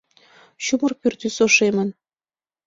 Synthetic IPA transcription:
ɕumɤ̆rpyrt̪ysoʃemə̆n

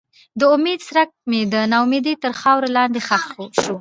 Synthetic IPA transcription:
d̪əʊmed̪sɾak̚med̪ənawmed̪it̪əɾxɑwɾelɑnd̪exaxoʃu

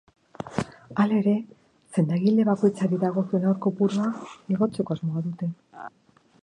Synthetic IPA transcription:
ale̞ɾe̞ | se̞nd̪aɣile̞βako̞jt͡saɾiðaɣ̞o̞sienawɾko̞puɾoaeɣo̞t͡sekoazmoaðut̪e̞

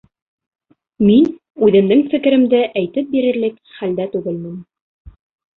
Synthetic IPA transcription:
min | ʉðɘ̆md̪ɘŋfɘ̆kɘ̆ɾɘ̆md̪ɘʔæjt̪ɘp̚biɾɘ̆ɾlɘk | χæld̪æt̪ʉɡɘlmɘn

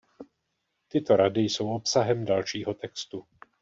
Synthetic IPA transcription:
t̪ɪt̪o̞ɾadɪjso̞wo̞psaɦɛmdalʃiːɦo̞t̪ɛkst̪u

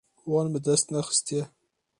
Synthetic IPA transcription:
wɑːnbɨd̪ɐst̪naxə̥st̪ijɛ

